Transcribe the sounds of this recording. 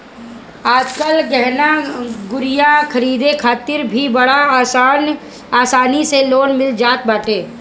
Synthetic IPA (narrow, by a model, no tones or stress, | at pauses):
aːd͡ʒkəlɡɛɦnaɡʊɾɪjakʰɐɾiːd̪ekʰaːt̪ɪɾbʱibɐɽan | aːsaːniseloːnmɪld͡ʒaːt̪̚baːʈeː